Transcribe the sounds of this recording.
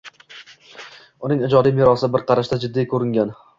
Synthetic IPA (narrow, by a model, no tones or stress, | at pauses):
ʊnɪŋɪd͡ʒɒd̪ijmɪɾɒsɪbɪɾqʰɑɾaʃt̪ad͡ʒɪd̪ːijkʰɵɾɪŋɡʲan